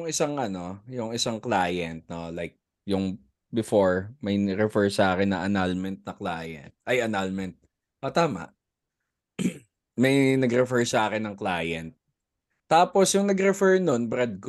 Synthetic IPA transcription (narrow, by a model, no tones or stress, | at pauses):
jʊŋɪsaŋʔɐno̞jʊŋɪsaŋklaːjɛnt̪̚no̞lajk̚ | jʊŋ | bɪfoɹmɐjɾɛfɛɹsɐʔaːkɪnːɐ̰ʔɐnalmɛnt̪̚nɐklaːjɛ̰nt̪̚ʔɐjɐnalmɛnt̪̚ | ʔot̪aːmɐ̰ʔ | mɐjnɐɡɾɛfɛɹsɐʔaːkɪnːɐŋklaːjɛnt̪̚ː | aːposjʊŋnɐɡɾɛfɛɹnonbɾɛd̪̚k